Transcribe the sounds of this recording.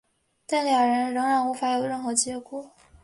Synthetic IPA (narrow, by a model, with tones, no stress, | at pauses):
t̪a˥˩nljɑ˨˩ŋɻə˧˥nɻɤ˧˥ŋɻa˧˥nu˧˥fa˧˥jo˨˩ʊɻə˥˩nxɤ˧˥t͡ɕjɛ˧˥kɔ˥˩